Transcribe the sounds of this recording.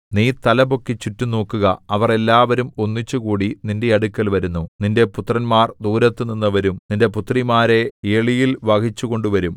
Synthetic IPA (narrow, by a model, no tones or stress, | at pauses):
niːt̪ɐlɐbo̞kːet͡ɕitːuno̞ːkːuɣɐɐʋɐre̞lːaːʋɐɾumo̞nːit͡ɕːuɣuːɽininde̞ɐɽukːɐlʋɐɾunːuninde̞put̪ːrɐnmaːrd̪uːɾɐt̪ːɨninːɐʋɐɾumninde̞put̪ːrimaːɾe̞eːɭijilʋɐkit͡ɕːuɣo̞ɳɖuʋɐɾum